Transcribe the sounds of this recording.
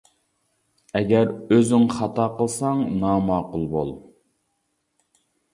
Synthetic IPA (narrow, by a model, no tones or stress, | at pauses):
ɛɡʲæɾøzyŋχɑt̪ɑqəlˠsɑŋnɑmɑːqʊlˠbo̰lˠ